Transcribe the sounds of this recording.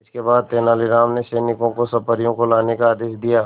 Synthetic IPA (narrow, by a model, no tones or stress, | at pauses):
ɪskebaːd̪̚t̪eːnaːliɾaːmnesɛːnɪkõkosɐpəɾijõkolaːnekaːd̪eːʃd̪ijaː